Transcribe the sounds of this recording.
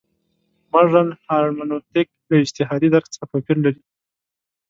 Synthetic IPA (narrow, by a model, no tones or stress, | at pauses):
maʐanhɑɾmanot̪ɪk̚d̪əɪd͡ʒt̪ɪɦɑd̪id̪aɾkt͡sapapiɾlaɾi